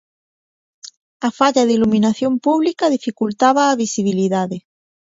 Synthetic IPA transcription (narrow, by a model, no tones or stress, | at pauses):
afaʎaðilumĩnaθjompuβlikaðifikult̪aβaːβisiβ̞iliðaðɪ